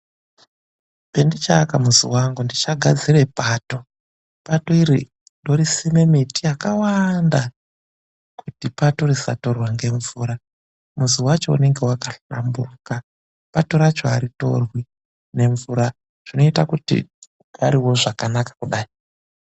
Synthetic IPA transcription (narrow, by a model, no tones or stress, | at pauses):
pendit͡ʃakamuzḭwaŋɡundit͡ʃaɡʱad͡zire̞pato̞ | pato̞iɾḭ | ndo̞ɾisime̞mitijakawanda | kʰutipatorisa̰to̞rwaŋɡe̞ɱvuːɾa | muziwat͡ʃo̞ṵne̞ŋɡe̞wakaɬamburuka | pato̞ɾat͡ʃoaɾito̞̰rwi | ne̞ɱvuɾa | ʐ̥ino̞itakutḭ | ɡʱaɾiwo̞ʐakanakḁkuɗaːi